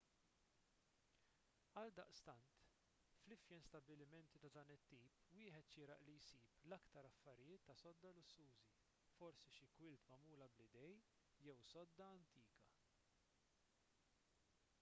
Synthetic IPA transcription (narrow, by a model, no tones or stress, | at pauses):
ɐld̪ɐʔst̪ɐnt̪ | flɪfjɛnst̪ɐbɪlɪmɛnt̪it̪ɐd̪ɐːnɪt̪ːiːpwɪːħɛt̪ʃɪːɾɐ̰ʔlijsiːplɐkt̪ɐɾɐfːɐɾɪjɪːt̪ːɐsɔd̪ːɐlʊsːuːzi | fɔɾsiʃɪkwɪlt̪mɐmuːlɐblɪd̪ɛj | jɛwsɔd̪ːɐɐnt̪iːkɐ